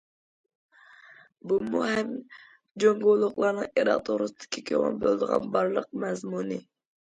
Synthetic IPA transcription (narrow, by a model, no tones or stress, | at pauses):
bumuhɛm | d͡ʒoŋɡolˠʊχlˠɑɾnɨŋeɾɑ̰ʁt̪ʰoɾusɨd̪ɪ̥kʲʰikʲʰøʁɑ̰nbølˠd̪əʁɑ̰nbɑɾlˠəq̚mɛzmunɨ